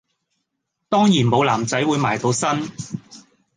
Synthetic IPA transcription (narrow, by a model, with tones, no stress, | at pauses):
t̪ɔː˥ŋjiː˨˩nmo˨˧wlaː˨˩mt͡sɐ˨˥jwuː˨˧jmaː˨˩jt̪o˨˧wsɐ˥n